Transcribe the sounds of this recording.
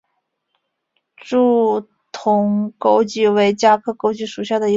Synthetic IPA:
ʈ͡ʂu˥˩ | t̪ʰʊ˧˥ŋko˥ʊt͡ɕi˥˩we˧˥ɪt͡ɕja˥kʰɤ˥˩ko˥ʊt͡ɕi˥˩ʂu˨˩ɕja˥˩d̪ə˩i˧˥

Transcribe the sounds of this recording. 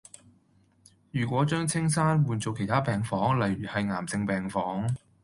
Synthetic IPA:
jyː˨˩kʷwɔː˨˥t͡ʃœː˥ŋt͡sʰɪ˥ŋsaː˥nwuː˨˧nt͡so˨˧wkʰe˨˩jt̪ʰaː˥pɛː˨ŋfɔː˨˥ŋlɐ˨jɥyː˨˩hɐ˨jŋaː˨˩mt͡sɪ˧ŋpɛː˨˩ŋfɔː˨˥ŋ

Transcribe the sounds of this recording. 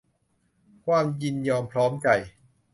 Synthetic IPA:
kʰwaː˧˥˩mji˧njɔː˧mpʰɾɔː˦˥mt͡ɕa˨˩j

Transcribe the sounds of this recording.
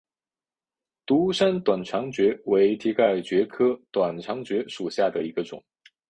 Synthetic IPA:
t̪u˧˥ʂa˥nt̪wa˨˩nʈ͡ʂʰɑ˧˥ŋt͡ɕɥɛ˧˥we˧˥ɪt̪ʰi˧˥ka˥˩ɪt͡ɕɥɛ˧˥kʰɤ˥t̪wa˨˩nʈ͡ʂʰɑ˧˥ŋt͡ɕɥɛ˧˥ʂu˨˩ɕja˥˩d̪ə˩i˧˥ɡə˧ʈ͡ʂʊ̰˨˩˦ŋ

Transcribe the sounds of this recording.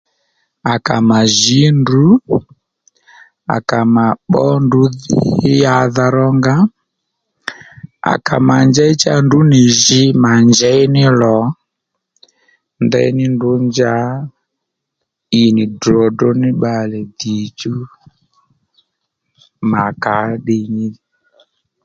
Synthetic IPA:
a˨ka˨ma˨ʒi˦ndu˦ | a̰˨ka˨ma˨ɓɔ˦ndu˨˦ðja˦ða˧ɾɔ˦ŋɡa˦ | a̰˨ka̰˨ma˨nd͡ʒa˦i˦t͡ʃa˦ndu˦ni˨ʒi˦ma˨nd͡ʒɛ˦i˦nɪ˦lɔ˨˦ | ndɛ̰˦i˦nɪ˦ndʊ˨˦ɲd͡ʒa˦ | i˨nɪ˨dɾɔ˨dɔ˦nɪ˦ɓa˨lɛ˨d̪i˨t͡ʃu˦ | ma˨ka˨˦ɗi˧ɲi˦

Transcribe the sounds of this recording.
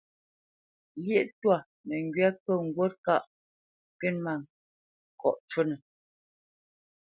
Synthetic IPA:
lje˦ʔtwa˦˨ | nɛ˨ŋ˨ɡɥa˦kə˦˨ŋ̩˨ɡwo˦t̚ka˦˨ʔ | pe˦˨nma˦˨ŋ | kɔ̰˨ʔt͡ʃo˦nə˨

